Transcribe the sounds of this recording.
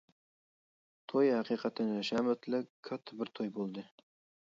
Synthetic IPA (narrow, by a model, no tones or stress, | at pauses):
t̪ʰojhæqiqʰɑt̪ʰɪnɪʃæmʊt̪lɪkʲʰːɑt̪ʰːɪbɪɾt̪ʰojbolˠd̪ɨ